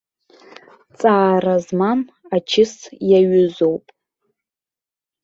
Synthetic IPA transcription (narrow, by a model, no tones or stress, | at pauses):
t͡sʼaːrazmam | at͡ʃʰɪsjaɥʊzo̞wpʼ